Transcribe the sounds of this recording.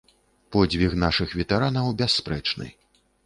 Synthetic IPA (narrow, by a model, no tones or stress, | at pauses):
pɔd͡zʲvʲixnaʂɨxvʲɛt̪aɾanɐwbʲasːpɾɛt͡ʂnɨ̰